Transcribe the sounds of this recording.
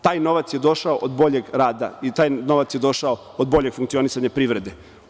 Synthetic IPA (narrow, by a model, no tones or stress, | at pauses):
t̪aːjno̞ʋat̪sjed̪o̞ʃaoʔod̪bo̞ʎe̞ɡɾaːd̪a̰it̪aːjno̞ʋat̪sjed̪o̞ʃao | od̪bo̞ʎe̞ɡ̥fuŋkt̪io̞nisaɲapɾiʋɾe̞d̪e